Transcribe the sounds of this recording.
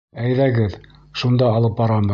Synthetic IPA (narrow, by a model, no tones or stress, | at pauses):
æjðæɡɘð | ʃund̪ɑːlˠɤp̚bɑɾɑmɤ